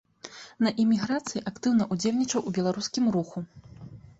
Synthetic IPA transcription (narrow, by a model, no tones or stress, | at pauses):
nɐʔimʲiɣɾat̪sɨjiʔakt̪ɨwnɐʔud͡zʲewʲnʲit͡ʂɐwubʲɛlˠaɾuskʲimɾuxu